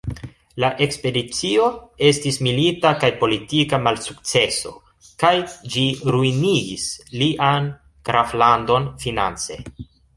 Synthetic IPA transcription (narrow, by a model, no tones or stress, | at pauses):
laʔe̞kspe̞dit͡sio̞e̞stismilitakajpo̞litikamalsuk̚t͡se̞so̞̰ | kajd͡ʒiɾuiniɡisliʔan | kɾʔaflando̞nfina̰nt͡se̞̰